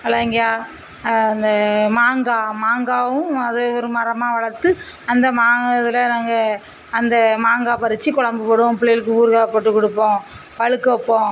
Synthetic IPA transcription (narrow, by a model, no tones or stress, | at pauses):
ɐlɐːɪŋɡɐjaː | ɐnd̪ɐmaːŋɡaːmaːŋɡaːʋɯ̃ɐðeːɔɾɯmɐɾɐmaːʋɐɭɐɾt̪ːɯ | ɐnd̪ɐmaːŋɐðɪlɐnaːŋɡɐː | nd̪ɐmaːŋɡaːpɐɾɯt͡ʃːɯkɔɭɐmbɯpɔɽɯõpɪɭɐjɪlɯkːɯuːɾɣaːɐpɐʈːɯkːɔɽɯpːõː | pɐɻɯkːɐpːõː